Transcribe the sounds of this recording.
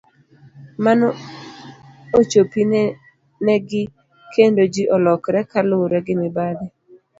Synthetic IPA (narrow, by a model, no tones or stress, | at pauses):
man | ot͡ʃopin | nɛɡɪ | kʰendod͡ʒiʔɔlɔkɾɛkalʊɾɛɡɪmɪbadɛ